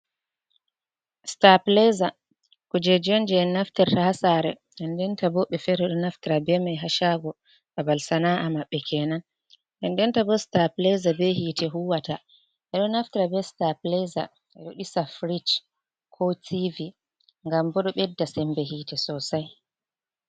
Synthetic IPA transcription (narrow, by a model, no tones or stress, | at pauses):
staplɛza | kɔd͡ʒɛd͡ʒɔnd͡ʒɛɛnaftɛɾtahasaɾɛ | ɗɛndɛntabɔɓɛfɛɾɛɗɔnaftiɾabɛmajɦaʃaɡɔ | ʔabalsanaʔamaɓːɛkʰɛnan | ʔɛndɛntabɔstaplɛzabɛhitʰɛɦuwata | ʔɛɗɔnaftiɾabɛstaplɛza̰ | ɛɗɔɗisafɾit͡ʃ | kʰɔtʰivi | ŋɡambɔɗɔɓɛdːasɛmbɛɦiːtɛsɔsaj